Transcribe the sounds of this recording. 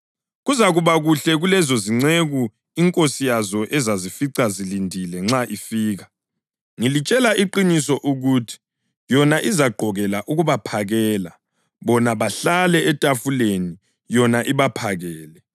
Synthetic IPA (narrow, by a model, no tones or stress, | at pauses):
ɣuzaɣuβaɣuɬɛɣulɛzoziŋ͡ǀeɣu | iŋkʼosijazɔʔɛzazifiǀazilindʱilɛŋ͡ǁaʔifiːɣa | ŋilit͡ʃʼɛlaiǃinisɔʔuɣutʰi̥ | jɔnaʔizaɡ͡ǃʱɔɣɛlaʔuɣuβapʰaɣɛːla | βɔnaβaɬalɛɛtʼafuleni | jɔnaʔiβapʰaɣɛːlɛ